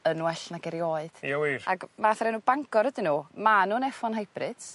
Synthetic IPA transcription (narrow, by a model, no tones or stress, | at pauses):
ənwɛɬnaɡɛɾjɔːɨd̥awiaɡmaθrɛnuːbaŋkʰɔɾədɪnuːmanuːnɛfɔnɦajb̥rɨd̥s